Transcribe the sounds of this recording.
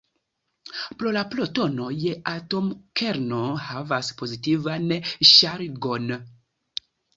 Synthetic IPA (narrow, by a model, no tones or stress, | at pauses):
pɾo̞laploto̞no̞jeʔato̞mkʰeɾnohavaspo̞zitivanʃaɾɡo̞n